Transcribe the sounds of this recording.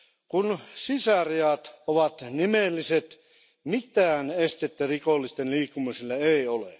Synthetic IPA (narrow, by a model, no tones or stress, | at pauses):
kunsisæriɑt̪oʋɑt̪nimelːiset̪ | mit̪æːnest̪et̪ːærikolːist̪enliːkːumisilːɑeiolḛˑ